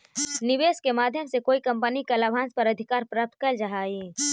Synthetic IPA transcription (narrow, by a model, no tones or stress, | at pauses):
nɪʋeːskemaːd̪ʱjəmsekoːikɐ̃mpənikalabãːnspɐɾɐd̪ʱɪkaːɾpɾaːp̚t̪̚kəld͡ʒaɦaːi